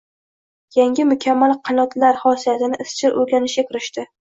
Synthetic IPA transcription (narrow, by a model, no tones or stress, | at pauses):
jaŋɡʲɪmʊkʲʰamːalˠqʰɨnɒt̪ʰlaɾhɒsijat̪ɪnɪʔɪst͡ʃʰɪɾʔɵɾɡʲanɪʃʲakʲʰɪɾɪʃt̪ɪ